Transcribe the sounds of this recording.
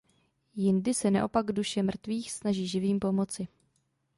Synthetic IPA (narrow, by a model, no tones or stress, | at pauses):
jɪndɪsɛna̰ʔo̞paɡduʃɛmr̩t̪viːxsnaʒiːʒɪviːmpo̞mo̞t͡sɪ